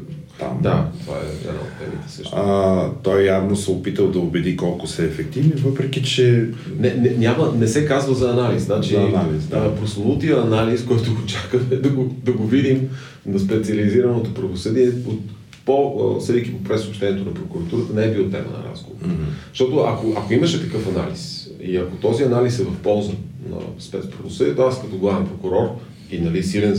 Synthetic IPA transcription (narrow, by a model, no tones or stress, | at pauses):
t̪a̰md̪at̪ova̰ɛ̰ɛ̰na̰o̰t̪t̪ɛ̰mḭt̪ɛ̥sə̰ʃt̪t̪ɔjjavnosɛopit̪əlˠd̪ɐobɛd̪ikɔlˠkosɛːfɛk̚t̪ivnivɤpɾɛk̟it͡ʃɛ | nɛnɛnʲamənɛsɛkazvəzɐːnalisnat͡ʃinalispɾosɐnut̪iəːnaliskɔjt̪ʊɡot͡ʃakəmɛd̪ɐɡod̪ɐɡovid̪im | nɐspɛt̪sʲiɐliziɾɐnot̪opɾɐvosɤd̪iɛot̪ | posɾikipopɾɛsoːpʃt̪ɛniɛt̪onɐpɾokuɾɐt̪uɾət̪ənɛɛbilˠt̪ɛ̰mə̰nɐ̰ɾa̰zɡo̰vo̰ʃt̪ɔt̪oɐ̰koʔɐkoiməʃɛt̪ɐkɤfɐna̰lis | iɐkot̪ɔziɐnalisɛvɐfpɔlˠzənɐ̰spɛt̪spɾɐvosɤd̪iɛt̪oaskɐt̪oɡvavɛmpɾokuɾɔɾ | inɐlisilɛn